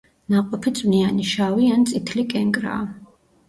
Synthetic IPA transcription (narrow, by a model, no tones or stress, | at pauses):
naqʼɔpʰit̪sʼnianiʃawiant̪sʼit̪ʰlikʼɛŋkʼɾa̰ː